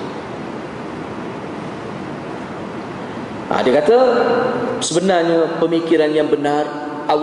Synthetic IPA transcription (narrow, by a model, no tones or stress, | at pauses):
ʔa̰diəkat̪a | səbənarɲapəmikiɾanjaŋbənar | ʔaw